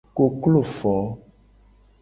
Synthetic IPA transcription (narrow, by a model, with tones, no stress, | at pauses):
ko˨klo˦˨fɔ˨˦